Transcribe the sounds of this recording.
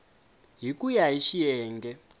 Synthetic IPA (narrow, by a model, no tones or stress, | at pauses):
ɦikʼujaɦiʃiɛːŋɡɛ